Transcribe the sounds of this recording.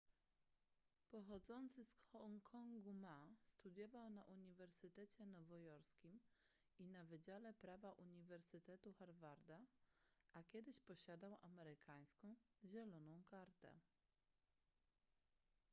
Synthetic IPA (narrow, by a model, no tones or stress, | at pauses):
pɔxɔd̪zɔnt̪sɘsɔŋkʰɔŋɡumast̪ud̪ʲjɔvawnaʔuɲivɛɾsɘt̪ɛt͡ɕɛnɔvɔjɔɾskʲim | inavɘd͡ʑalɛpɾavaʔuɲivɛɾsɘt̪ɛt̪uxaɾvaɾd̪aʔakʲɛd̪ɘɕpɔɕad̪awʔamɛɾɘkaj̃skɔ̃w̃ʑɛlɔnɔ̃w̃kaɾt̪ɛ̰